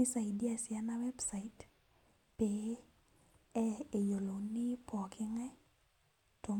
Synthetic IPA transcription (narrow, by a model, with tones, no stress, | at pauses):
i˦sa˨jdi˦a˨sɪa˦na˦wɛ˦bsa˨it | pe | ɛe˨jo˨lo˨ni˦pɔ˨kʰɪ˦ŋɛ˦ | to˨